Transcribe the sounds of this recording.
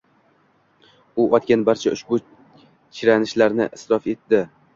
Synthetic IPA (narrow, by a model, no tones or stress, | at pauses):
ʊʔɒt̪̚kʲanbaɾt͡ʃʰaʔʊʃbʊ | t͡ʃʰɪɾanɪʃlaɾnɪ̰ʔɪsɾɒfe̞t̪d̪ɪ